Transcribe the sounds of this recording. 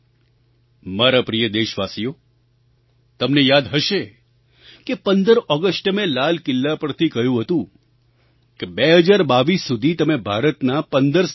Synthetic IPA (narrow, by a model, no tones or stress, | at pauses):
maɾapɾijəd̪eʃʋasijo | t̪əmnejad̪ɦəʃe | kepənd̪əɾɔɡəsʈmelalkɪlːapəɾt̪ʰikəɦjũɦət̪ũ | kebeɦəd͡ʒaɾbaʋisːud̪ʱit̪əmebʱaɾət̪napənd̪əɾs